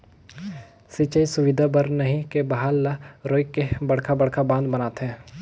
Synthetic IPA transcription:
sit͡ʃəisʊʋɪd̪ʱabɐɾnɐɦĩkebɐɦaːlːaɾoːɪkːebɐɽ̤kʰabɐɽkʰabãːnd̪bɐnaːt̪ɦɛ̃ː

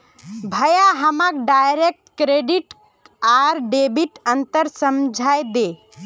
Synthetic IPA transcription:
bʱəjaɦəmakɖajɾek̚ʈkɾeɖiʈ | aɾɖebiʈənt̪əɾsəmd͡ʒʱajd̪e

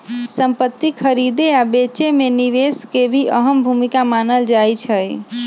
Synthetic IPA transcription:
səmpət̪ːikʰəɾid̪eabet͡ʃemeniʋeskebʱiəɦəmbʱumikamanəld͡ʒajt͡ʃʰəj

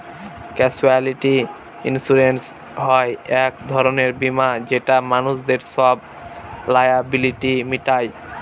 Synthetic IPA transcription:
kɛsualiʈi | ḭnsuɾens | ɦɔeɛkd̪ʱɔɾoneɾbimad͡ʑeʈamanuʃd̪eɾsɔb | lajabiliʈimiʈaj

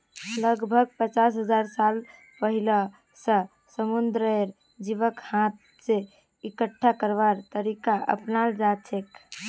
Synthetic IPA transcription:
ləɡbʱəɡ̚pət͡ʃasɦəd͡ʒaɾsal | pəɦilə | sə̃ | səmund̪ɾəeɾ | d͡ʒiʋəkhãt̪̚ | se | ikəʈʰːakəɾʋaɾt̪əɾikaʔə̰pnald͡ʒat͡ʃʰek

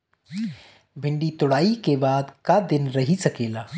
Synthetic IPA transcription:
bʱɪ̃ɳɖit̪ʊɽaːikebaːd̪kad̪ɪnɾɐɦisɐkeːlaː

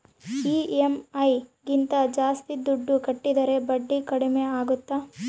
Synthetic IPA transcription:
iemɐjɡint̪ɐd͡ʒaːst̪id̪uɖːukɐʈːid̪ɐɾe̞bɐɖːikɐɽimeaːɡut̪ːa

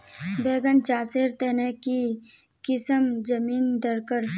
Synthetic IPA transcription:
beːɡənt͡ʃaːseːɾt̪eːneki | kɪsəmd͡ʒɐmiːnd̪ɐɽkəɾ

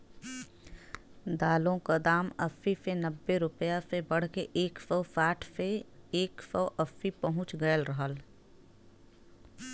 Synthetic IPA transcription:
d̪aːlõkad̪aːməfisenəbːeɾʊpjasebəɽ̤keʔeːkfoːsaːʈʰseeːkfoːʔəfipɐɦʊ̃t͡ʃɡəjəlɾəɦəl

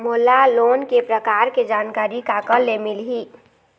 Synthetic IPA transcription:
mʊlaloːnkepɾəkaːɾked͡ʒaːnkaːɾikaːkəlːemɪlɦi

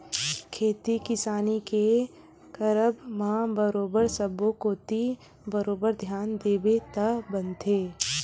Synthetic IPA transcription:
kʰeːt̪ikɪsaːnike | kəɾəbmabəɾoːbəɾsəbõkoːt̪i | bəɾoːbəɾd̪ʱjaːnd̪eːbet̪ɐbə̃nt̪ʰeː

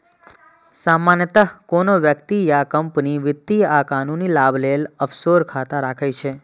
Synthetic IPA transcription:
samanjət̪əkonoʋjəkt̪ijakəmpniʋɪt̪ːiakanunilableləfsoɾkʰat̪ãɾakʰejt͡ʃʰe

